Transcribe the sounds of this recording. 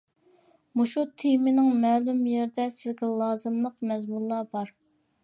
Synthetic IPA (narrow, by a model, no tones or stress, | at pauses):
muʃut̪ʰimɪnɪŋmɛːlumjeɾd̪ɛsɪzɡʲɛlˠɑːzɨmlˠəqmɛzmulˠːɑbɑɾ